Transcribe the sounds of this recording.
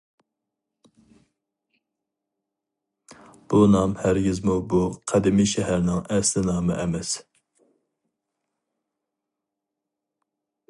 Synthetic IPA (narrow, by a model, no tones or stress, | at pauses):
b̥unɑmhæɾɡʲizmubuqʰæd̪imiʃɛɦæɾnɪŋæslɪnɑːmɨʔɛmɛs